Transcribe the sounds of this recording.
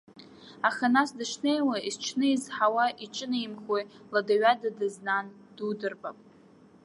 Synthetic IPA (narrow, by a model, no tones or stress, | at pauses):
aχanasdɨʂnejwaizt͡ʃʰnɨizħawaʔiʈ͡ʂʼɨnɨimχojladaɥadadɨznan | d̥udɨrbʼapʼ